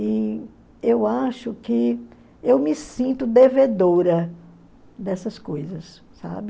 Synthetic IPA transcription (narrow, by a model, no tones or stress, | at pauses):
i | ewaʃʊkɪ | ewmɪsĩnt̪ʊd̪eved̪oɾɐ | d̪ɛsɐskojzɐsː | a̰bɪ